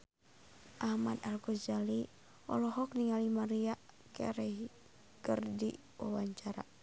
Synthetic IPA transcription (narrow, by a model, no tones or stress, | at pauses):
ʔahmad̪alɡɔd͡ʒali | ɔ̰lɔɦɔkniŋalimaɾiaʔ | kɛ̰ɾɛ | kərdi | wawaɲt͡ʃaɾa̰